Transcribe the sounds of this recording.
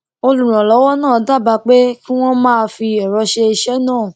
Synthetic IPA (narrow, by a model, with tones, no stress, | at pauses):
o˧lu˨ɾ̃ã˨lɔ˨˦wɔ˦nãː˦˨˦da˦˨ba˧k͡pe˦ki˦w̃ɔ̃˦mãː˦˧fi˧ɛ˨ɾɔ˧ʃe˧i˧ʃɛ˦nãː˦˨